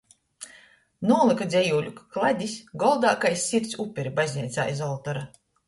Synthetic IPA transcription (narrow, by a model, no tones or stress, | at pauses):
nuɔlˠɨkad̪zʲɛjuːlʲukklˠad̪ʲisʲɡɔlˠd̪aːkajsʲːiɾt̪supʲːeɾibazʲnʲɛt̪sa̰ːjzɔlˠt̪ɔɾa